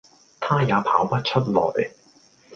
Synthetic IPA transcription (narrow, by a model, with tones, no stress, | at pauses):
t̪ʰaː˥jaː˨˧pʰa̰ː˨˥wpɐ˥t̚t͡ʃʰɵ˥t̚lɔ̰ː˨˩j